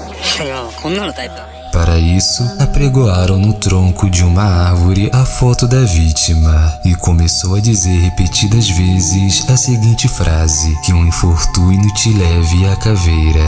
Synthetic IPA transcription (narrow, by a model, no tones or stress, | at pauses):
paɾɐisʊapɾeɡoaɾɐ̃w̃nʊt̪ɾõkʊd͡ʒɪũmɐaɾvoɾɪʔɐfɔt̪ʊd̪ɐvit͡ʃimɐɪkõmesowɐd͡ʒizeɾhepet͡ʃid̪ɐzvezɪzɐseɡĩnt͡ʃɪfɾʔazɪkɪũĩfoɾt̪ujnʊt͡ʃɪlɛvɪakavejɾɐ